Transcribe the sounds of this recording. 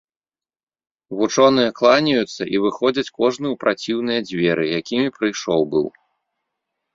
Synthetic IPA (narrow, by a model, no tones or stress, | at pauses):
vut͡ʂɔnɨjɐklˠanʲɐjut̪sːɐʔivɨxɔd͡zʲɐt͡sʲkɔʐnɨwpɾʔat͡sʲiwnɨjɐd͡zʲvʲɛɾʔɨjakʲimʲipɾɨjʂɔwbɨ̰w